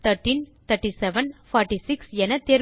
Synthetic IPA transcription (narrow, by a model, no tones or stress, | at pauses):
t̪ʰɐɾʈːint̪ɐʈːisɛʋɐnfaːɾʈːisɪksɛnɐt̪ːeːɾ